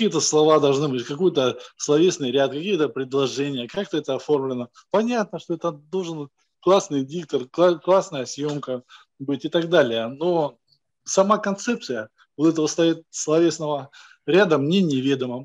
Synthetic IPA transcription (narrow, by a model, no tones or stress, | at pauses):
ɐkʲijət̪əslˠɐvad̪ɐlˠʐnɨbɨtʲkɐkojət̪əslˠɐvʲesnɨjɾʲat̪̚kɐkʲijət̪əpɾʲɪd̪lˠɐʐɛnʲɪjəkak̚t̪əɛt̪əɐfo̞rmlʲɪnə | pɐnʲat̪̚nəʂt̪oɛt̪əd̪o̞lˠʐɨn | klˠasnɨjdʲik̚t̪ərklˠaklˠasnəjəsʲjo̞mkə | bɨtʲɪt̪aɡd̪alʲɪjəno̞ | sɐmakɐnt̪sɛp̚t̪sɨjə | vot̪ɛt̪əvəst̪ait̪̚slˠɐvʲesnəvə | ɾʲad̪əmnʲenʲɪvʲed̪əmə